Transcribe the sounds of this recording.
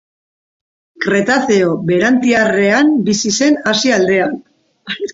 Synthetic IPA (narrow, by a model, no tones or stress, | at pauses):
kɾe̞t̪aθeobe̞ɾant̪iare̞ambisise̞nasiald̪e̞an